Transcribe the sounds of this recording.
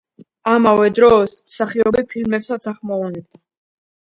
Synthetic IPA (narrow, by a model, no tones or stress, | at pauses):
amavɛd̪ɾɔːsmsaχiɔbɛpʰilmɛpsat̪sʰaχmɔɔnɛb̚d̪a